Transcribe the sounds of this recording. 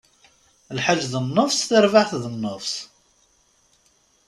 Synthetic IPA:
lħaʒːðənːəvsθəɾvaθðənːəvs

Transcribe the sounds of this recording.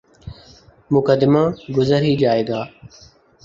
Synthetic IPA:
mʊkəd̪ɪmaːɡʊzəɾiːd͡ʒaːeːɡaː

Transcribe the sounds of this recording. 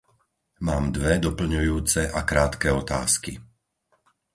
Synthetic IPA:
maːmd̪ʋɛd̪ɔpl̩ɲujuːt͡sɛʔakɾaːt̪kɛɔt̪a̰ːski

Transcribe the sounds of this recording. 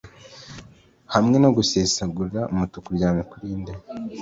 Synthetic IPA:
hamŋe̞noɡusesaɡuɾaumutukuɾɟaːmikuɾiːnde

